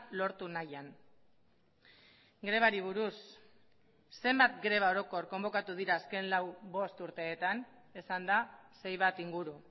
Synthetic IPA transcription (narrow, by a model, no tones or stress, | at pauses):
lo̞ɾt̪unajan | ɡɾe̞β̞aɾiβ̞uɾus | e̞mbat̪ɡɾe̞β̞ao̞ɾo̞ko̞rko̞mbo̞kat̪uðiɾaːske̞nlawβo̞st̪uɾt̪e̞ːt̪an | esand̪ase̞jβ̞at̪iŋɡuɾu